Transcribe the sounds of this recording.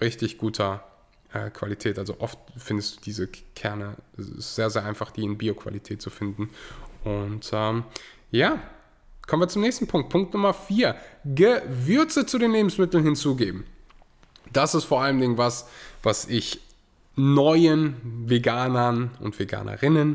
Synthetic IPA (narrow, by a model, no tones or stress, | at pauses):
ʁɪçtɪçɡ̥uːtʰɐ | ʔɛ̰ːkv̥a̰litʰɛːtʔalzo̰ʔɔftfɪndəsd̥u̥ːd̥iːzəkʰɛɐnəɛɪ̰stz̥eːɐzeːɐaɪnfaχd̥iːɪnbiːokv̥a̰litʰɛːt̚t͡sufɪndn̩ʔʊntʔɛːm | jaː | kʰɔmənviːɐt͡sʊmnɛːçstn̩pʰʊŋk̚t̚pʰʊŋk̚tnʊmɐfiːɐɡəvʏɐt͡sət͡sudeːnleːbm̩smɪtl̩nhɪnt͡suːɡeːbm̩ | d̥asɪstfoːɐʔaləmdɪŋənvasv̥asʔɪç | nɔʏənveɡaːnɐnʊ̰ntv̥eɡa̰ːnʔɐ̰ʁɪnən